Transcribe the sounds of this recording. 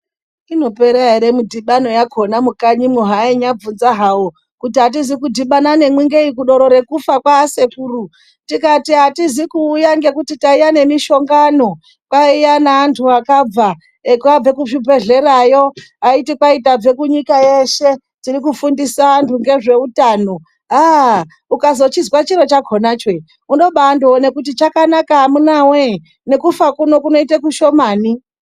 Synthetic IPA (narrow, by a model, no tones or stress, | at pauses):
ino̞pe̞ɾaiɾemudʱiɓano̞jakʰo̞namukaɲimwoɦaiɲab͡vunzaɦau | kutiɦat̬izikudʱiɓanane̞mwiŋɡe̞ikuɗo̞ɾo̞ɾe̞kufakwase̞kuːru | tikatiɦatizikuːjaŋɡe̞kutitaijane̞miʃo̞ŋɡano̞ | kwaijanaːntʰuakab͡va | kuab͡ve̞kuʃibʱe̞ɮe̞ɾajo̞aitikwaitab͡ve̞kuɲikajeʃe̞ | tirikufundisaːntʰuŋɡe̞ʐe̞utaːno̞ | ɦa | ukazo̞t͡ʃizwat͡ʃiɾo̞t͡ʃaɡʱo̞nat͡ʃe | uno̞ɓandoone̞kut̬it͡ʃakanakaɦamunawe | ne̞kufakuno̞kuno̞itekuʃo̞maːni